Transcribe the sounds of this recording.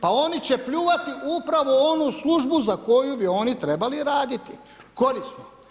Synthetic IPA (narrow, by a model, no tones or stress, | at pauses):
pao̞nit͡ɕe̞pʎuːʋat̪iʔupɾaʋo̞o̞nusluʒbuzako̞jubio̞nit̪ɾe̞baliɾaːd̪it̪i | ko̞ɾist̪no